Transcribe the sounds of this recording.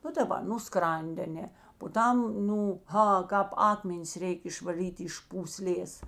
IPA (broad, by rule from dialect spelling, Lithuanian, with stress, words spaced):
ˈnʊ dɐˈbɐ nʊ ˈskrɐnʲtʲ ɐˈnʲɛ poː ˈtɐm ˈnuː ˈɣɐ ˈkɑːp ˈɑːkmʲɛnʲɪs ˈrʲɛɪkʲ ɪʃʋɐˈlʲiːtʲ ɪʃ puːˈsʲlʲeːs